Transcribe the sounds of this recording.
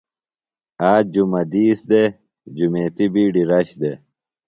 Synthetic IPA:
aːd͡ʑumɐd̪iːsd̪e | d͡ʑumeːt̪ibiːɖiɾɐɕd̪e

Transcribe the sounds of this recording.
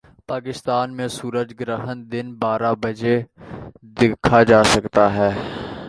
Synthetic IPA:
paːkɪst̪aːnmẽsuːɾəd͡ʒɡɾəɦənd̪ɪnbaːɾabɐd͡ʒe | d̪ɪkʰːad͡ʒaːsɐkt̪aɦɛː

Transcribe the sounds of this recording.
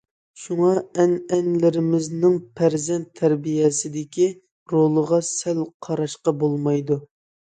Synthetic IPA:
ʃuŋɑɛnɛnlɪɾɪmɪznɪŋpʰæɾzɛnt̪ʰːæɾbijɛsɪd̪ɪkʲi | ɾolˠəʁɑsælqʰɑɾɑʃqɑbolˠmɑjd̪u

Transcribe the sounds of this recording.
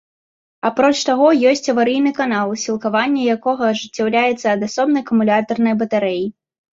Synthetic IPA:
apɾɔt͡ʂt̪aɣɔjɔsʲt͡sʲɐvaɾɨjnɨkanalˠsʲilˠkavanʲːɛjakɔɣɐːʐɨt͡sʲːawlʲajɛt̪sːɐːd̪asɔbnɐjkɐmulʲat̪ɐrnɐjbɐt̪aɾɛji

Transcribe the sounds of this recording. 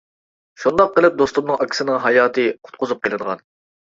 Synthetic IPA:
ʃund̪ɑq̚ːəlˠɨp̚d̪ost̪umnɨŋɑkʲʰi̥sɪnɪŋɦɑjɑːt̪ʰɨqʰʊ̥t̪̚qʰʊzup̚qʰʲelˠɨd̪əʁɑ̰n

